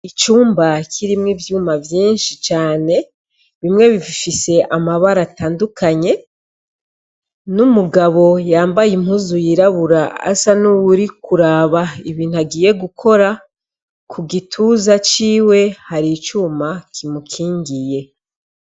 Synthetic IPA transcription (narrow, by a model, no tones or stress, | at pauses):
it͡ʃuːmbakʰiɾimŋivjuːmavjiːnʃit͡ʃaːne̞ | βimŋe̞βivifise̞ʔamaβaɾataːndukʰaɲe̞ | numuɡaβo̞jaːmbajim̥huzujiɾaβuɾaa̰sanuβuɾikuɾaːβaiβiːn̥uaɡiːje̞ɡukʰo̞ɾa | kʰuɡitʰuzat͡ʃiːwe̞haɾit͡ʃuːmakʰimukʰiːɲɡije̞